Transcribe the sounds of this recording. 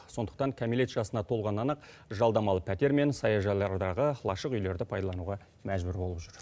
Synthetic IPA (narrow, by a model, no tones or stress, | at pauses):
so̞nd̪ə̥q̚t̪ɑŋkʲʰamilet̪ʒɑsənɑt̪ʰo̞lˠʁɑnɑnɑq | ʒɑlˠd̪ɑmɑlˠəpʰæt̪e̞ɾme̞nsɑjɑʒɑlˠɑɾd̪ɑʁəlˠɑʃəqʏjle̞ɾd̪ɪpʰɑjd̪ɑlˠɑnuʁɑ | mæʒbʏɾbo̞lˠəpʒʏɾ